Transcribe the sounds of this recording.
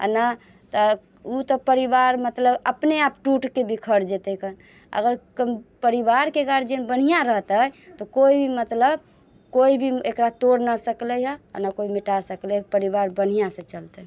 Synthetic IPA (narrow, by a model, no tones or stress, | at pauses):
a̰na | t̪ə | ut̪ɔpəɾibaɾmət̪ləbəpneapʈuʈkebikʰəɾd͡ʒet̪əkən | ə̰ɡəɾkəmpəɾibaɾkeɡaɾd͡ʒenbən̤ijaɾəɦt̪ət̪ɔkoibʱimət̪ləb | koibʱiekɾat̪oɾnasəkləɦəa̰nakoimiʈasəklɛpəɾibaɾbən̤ijasẽt͡ʃəlt̪ə